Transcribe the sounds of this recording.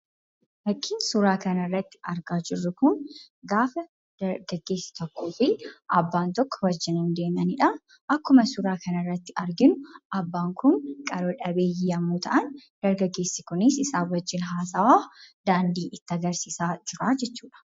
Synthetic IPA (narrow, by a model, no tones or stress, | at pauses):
lɐkːɪnsʊɾaːkɐnɐrːɐt̪ːɪ̥ɐɾɡaːd͡ʒɪrːʊkʊŋ | ɡaːfɐ | ɡɐɡːe̞ːsːɪ̥t̪ɔkːoːfɪʔɐbːaːnt̪ɔkːɔ̥wɐd͡ʒːɪnɪnd̪e̞ːmɐnɪᶑɐ | ʔɐkːʊmɐsʊɾaːkɐnɐrːɐt̪ːɪɐɾɡɪnʊʔɐbːaːŋkʊŋkʼɐɾoᶑɐbeːjiːɐmːuːt̪ʰɐʔɐnd̪̥ɐɾɡɐɡːe̞ːsːɪkʊnɪsɪsaːwɐd͡ʒːɪnɦaːsɐwaːd̪̥aːnd̪iːʔɪt̪ːɐɡɐɾsiːsaːd͡ʒɪɾaːd͡ʒɛt͡ʃːuːᶑɐ̥